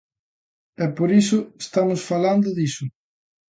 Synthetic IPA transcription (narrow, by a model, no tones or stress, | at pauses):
ɛpoɾisʊest̪amʊsfaland̪ʊðisʊ